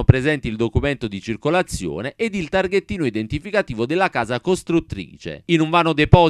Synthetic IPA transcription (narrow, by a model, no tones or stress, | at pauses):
opɾezɛnt̪ild̪okumɛnt̪ʊd̪it͡ʃirkolat̪sːjɔ̰ːneʔed̪ilt̪arɡet̪ːiːnoid̪ent̪ifikat̪iːvod̪elːakaːzakost̪ɾut̪ːɾḭːt͡ʃḛinuɱvaːnod̪epɔ